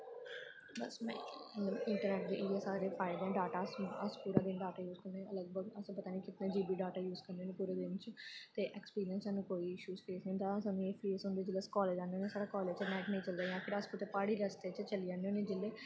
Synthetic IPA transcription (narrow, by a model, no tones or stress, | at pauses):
bəsmɛ̰̃ːəəɪɳʈəɾnɛːʈd̪eːʔɪẽːsaːɾeːpʰaːɪd̪ɛ̃ːɖaːʈaːsəspuːɾaːd̪ɪnɖaːʈaːjuːzkəɾnẽːələɡbəɡəspət̪aːniːkɪt̪nẽːd͡ʒiːbiːɖaːʈaːjuːzkəɾndeonẽpuːɾeːd̪ɪnt͡ʃt̪eːʔɛːkspiːɾijə̃nsaːnũːkoːiːɪʃuːzkɾiːsnd̪aːsaːnũːeːpʰɾiːsõnd̪eːd͡ʒɪlːeːskɔːleːd͡ʒãːnd̪eoːneːsaːɾaːkɔːleːt͡ʃənɛːknəĩːt͡ʃəld̪aːjãːpʰɪɾəskʊt̪eːpaːɽiːɾəst̪eːt͡ʃt͡ʃəliːd͡ʒãːnd̪eõːnẽːd͡ʒɪlːeː